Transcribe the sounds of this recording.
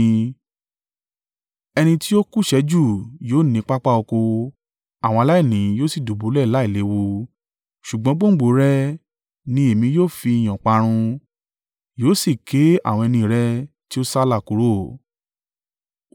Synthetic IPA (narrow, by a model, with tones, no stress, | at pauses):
ɛ˧nĩ˧ti˦jo˦ku˦ʃɛ˧˦d͡ʒu˦˨joː˦nĩ˨˧˦k͡pa˦k͡pa˦o˧ko˧ | a˨w̃ɔ̃˧a˧la˦i˦˨nĩ˨˦joː˦si˦˨du˨bu˨˦lɛ˦˨la˨˦i˦˨le˨˦wo˧ | ʃu˨ɡ͡bɔ̃˧˦ɡ͡bõ˦ɡ͡bo˨˦ɾɛ˦ | nĩ˧e˨mĩ˧˦joː˦˨fi˧i˨j̃ã˨k͡pa˧ɾ̃ũ˧ | joː˦si˦˨ke˨˦a̰˦˨w̃ɔ̃˧ɛ˧nĩ˧ɾɛ˦ | ti˦o˦sa˦la˦˨ku˨˦ɾo˦˨